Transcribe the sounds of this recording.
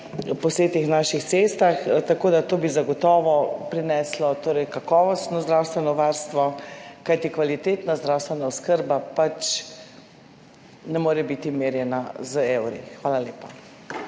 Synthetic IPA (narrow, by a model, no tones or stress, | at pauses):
pɔseːt̪ixnaʃixt̪sest̪axt̪akoːd̪at̪oːbizaɡɔt̪ɔːʋɔpɾinɛslɔt̪oːɾɛjkakɔːʋɔst̪nɔzd̪ɾaːwst̪ʋɛnɔʋaɾst̪ʋɔkajt̪ikʋalit̪eːt̪nazd̪ɾawst̪ʋɛnaɔskəɾbapat͡ʃ | nɛmoːɾɛbit̪imeːɾjɛnazəewɾḭxʋaːlaljeːpa